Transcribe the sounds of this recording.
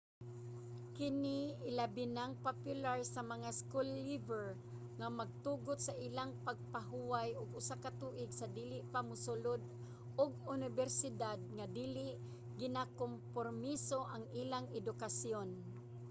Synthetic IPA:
kɪniɪlabɪnaŋpapjʊlaɹsamaŋaskulːivɛɹ | ŋamaɡ̚t̪uɡʊt̪̚saʔilaŋpaɡ̚paɦuwajʊɡʊsakat̪uːʔɪɡsad̪iːlɪʔpamʊsʊlʊd̪̚ | ʊɡ̚ʊnɪbɛɾsɪd̪ad̪̚ŋad̪iːlɪʔ | ɡɪnakompormisoʔaŋiːlaŋɛd̪ʊkasjon

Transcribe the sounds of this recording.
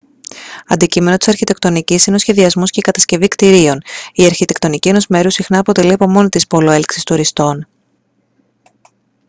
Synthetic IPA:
ɐnd̪icime̞no̞t̪i̥sɐɾçit̪e̞kt̪o̞nicisine̞o̞sçe̞ðiɐzmo̞sce̞ikɐt̪ɐsce̞vikt̪iɾio̞niɐɾçit̪e̞kt̪onicie̞no̞zme̞ɾusixnɐːpo̞t̪e̞liɐpo̞mo̞nit̪ispo̞lo̞e̞lksi̥st̪uɾist̪o̞n

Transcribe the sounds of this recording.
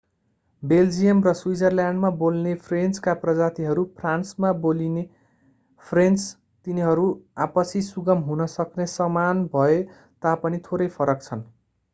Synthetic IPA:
beld͡zijʌmrʌswid͡zʌrljaɳɖmabolnepʰrent͡skaprʌd͡zat̪iɦʌɾupʰransmaboline | pʰrent͡s | t̪iniɦʌɾuapʌsʰisuɡʌmɦunʌsʌknesʌmanbʱʌe | t̪apʌnit̪ʰoɾʌjpʰʌɾʌkt͡sʰʌn

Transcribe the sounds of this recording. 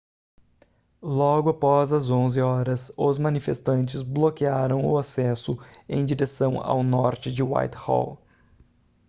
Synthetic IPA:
lɔɡʊapɔzɐzõzɪɔɾɐsʊzmɐ̃nifest̪ɐ̃nt͡ʃɪzblokiaɾɐ̃w̃ʊ̰asɛsʊḛ̃j̃d͡ʒiɾesɐ̃w̃a̰wnɔɾt͡ʃɪd͡ʒɪwa̰jt̪hɔ̰l

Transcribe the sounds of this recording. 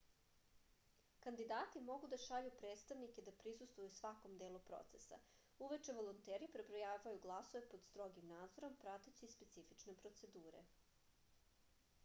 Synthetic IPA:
kand̪id̪aːt̪imo̞ɡud̪aʃaʎupɾedt̪st̪aʋniked̪apɾisust̪vojusʋako̞md̪e̞ːlupɾo̰t̪se̞sa̰ | uʋet͡ʃe̞ʋo̞lˠont̪eːɾipɾebɾojaːajuɡlˠaso̞ʋe̞pod̪st̪ɾo̞ɡimnaːd̪zo̞ɾo̞mpɾat̪et͡ɕispe̞t̪sifit͡ʃnepɾo̞t̪se̞d̪uːɾe̞̰

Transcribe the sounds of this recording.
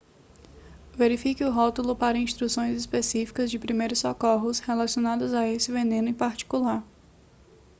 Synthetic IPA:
veɾifikɪʊɦɔt̪ulʊpaɾɐĩst̪ɾusõj̃zispesifi̥kɐzd͡ʒɪpɾimejɾʊsːokɔɦʊshelasionad̪ɐzaesɪvenẽnʊẽpaɾt͡ʃi̥kulaɾ

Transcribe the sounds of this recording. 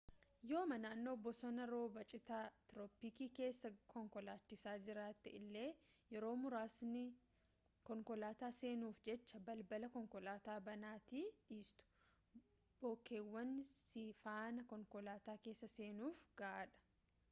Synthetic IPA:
jo̞ːmɐnaːnːo̞ːbɔsɔnɐɾo̞ːbɐt͡ʃʼɪt̪aːt̪ɾɔːpikiːke̞ːsːɐkʰɔŋkɔlaːt͡ʃːɪsaːd͡ʒɪɾaːt̪ːɪʔɪlːe̞ːjɛɾo̞ːmʊɾaːsnɪ | kɔŋkɔlaːt̪aːseːnuːfd͡ʒɛt͡ʃːɐbɐlbɐlɐkɔŋkɔlaːt̪aːbɐnaːt̪iːiːst̪ʊ̥ | b̥oːkʰːe̞ːwːɐnsifaːnɐkɔŋkɔlaːt̪aːke̞ːsːɐse̞ːnuːfɡɐʔaːᶑɐ̥

